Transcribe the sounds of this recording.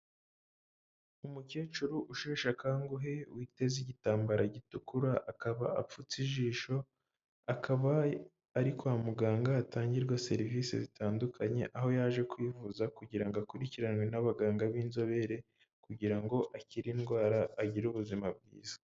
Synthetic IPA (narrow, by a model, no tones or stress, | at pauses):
umukeːt͡ʃuɾuʔuʃeːʃakaːŋɡuɦe̞wite̞ziɟitaːmbaɾaɟitukuɾaʔakaβa̰a̰p͡fut͡siʒiːʃo̞ | akʰaβaː | ɾikoamuɡaːŋɡaːtaːɲɟiɾɡwase̞̰ɾiviːsḛzitʰaːndukʰaɲe̞ʔaɦo̞jaʒe̞kwiːvuzakuɟiɾaŋɡoakuɾiciɾanwe̞naβaɡaːŋɡaβiːnzo̞βe̞ɾe̞ | kuɟiɾaŋɡo̞ʔaciɾinɡwaːɾaːɟiɾuβuzimab̚ɡḭːz̥ḁ